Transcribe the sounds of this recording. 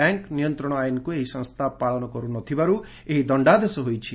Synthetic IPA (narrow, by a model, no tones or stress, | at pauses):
ɛŋknijɔnt̪ɾɔɽ̃ɔajnɔkueɦisɔ̃ŋst̪ʰapaɭɔnɔkɔɾunɔt̪ʰibaɾu | eɦid̪ɔɳɖad̪esɔɦojt͡ʃʰi